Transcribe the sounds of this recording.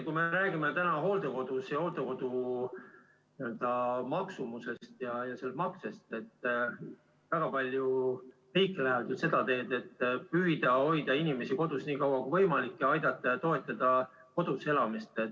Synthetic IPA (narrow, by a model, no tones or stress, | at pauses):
kume̞ɾæːɡ̥imet̪ænɑɦo̞ːld̪eko̞d̪̥usjɑho̞ːld̪̥eko̞d̪̥u | niøld̪̥ɑmɑksumuse̞sst̪jɑjɑse̞lt̪mɑkse̞st̪e̞t̪ː | væɡ̥ɑpɑlʲju | riːkːˑlæhɦevt̪yse̞d̪̥ɑt̪e̞ːd̪e̞t̪ːpyjd̪ɑo̞jd̪̥ɑinʲime̞siko̞d̪̥usniːkɑwɑkuvɤ̞jmɑlikːeɑjd̪̥ɑt̪ːˑɑɑt̪o̞e̞t̪ːˑɑd̪̥ɑ | ko̞d̪̥use̞lɑmist̪et̪